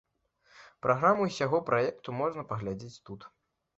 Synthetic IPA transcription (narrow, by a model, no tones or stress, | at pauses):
pɾʔaɣɾamuisʲaɣɔpɾʔajɛkt̪umɔʐnɐpɐɣlʲad͡zʲit͡sʲt̪ut̪